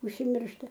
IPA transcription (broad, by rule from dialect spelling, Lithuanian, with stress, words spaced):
ʊʃʲsʲɪmʲˈɪrʃtɐ